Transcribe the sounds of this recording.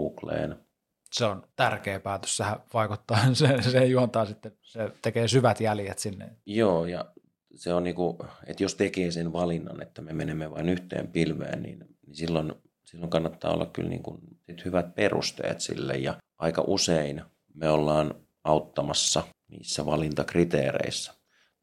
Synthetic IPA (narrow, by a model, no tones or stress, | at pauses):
uːklḛːn | seont̪ærkeːpæːt̪ø̥ssehæʋɑˑikut̪ːɑːsesejuont̪ɑːsit̪ːe | set̪ekeːsyʋæt̪jæljet̪sinːḛjoːjɑ̰ | seonniːkuet̪jost̪ekeːsenʋɑlinːɑ̰net̪ːæmemenemːeʋɑinyht̪ḛːmpilʋḛːnnḭnnisilːon | silːoŋkɑnːɑt̪ːɑ̰ːo̰lːɑkky̰lnḭːŋkunsit̪hyʋæt̪̚perṵst̪ḛːt̪sḭlːḛjjɑʔɑikɑ̰ʔusein | meolːɑːn | ɑut̪ːɑmɑsːɑnḭːsːæʋɑlint̪ɑkrit̪ḛːrḛisːæ̥